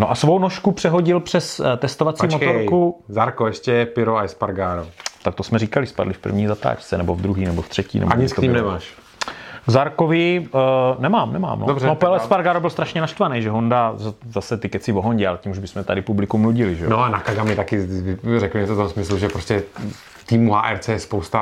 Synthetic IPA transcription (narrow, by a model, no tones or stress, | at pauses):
noʔasvownoʃkupr̝̥ɛɦo̞ɟɪlpr̝̥ɛst̪ɛst̪ovat͡siːmmot̪oɾkuzaɾkoɛʃcɛpɪɾoaɛspaɾɡaːɾot̪akt̪osmɛɾiːkalɪspa̰dlɪfpr̩̰vɲiːzat̪a̰ːt͡ʃt͡sɛnɛbo̞vd̪ɾuɦiːnɛboft̪r̥ɛcḭːnɛ̰baɲɪskt̪oimnɛmaːʃ | ɡzaɾkovɪ | nɛmaːmnɛma̰ːmno̰dobrɛnopɛlɛspaɾɡaɾobɪlst̪ɾaʃɲɛnaʃt̪vanɛjʒɛɦondazasɛt̪ɪkɛt͡sɪvoɦoɲɟɛalɛciːmuʒbɪsmɛt̪adɪpublɪkumluɟɪlɪʒɛnoanakaɡamɪt̪akɪɪrɛklɲɛt͡soft̪omsmɪsluʒɛpɾoscɛ | t̪iːmuɦa̰ːʔɛɾt͡sɛjɛspowst̪a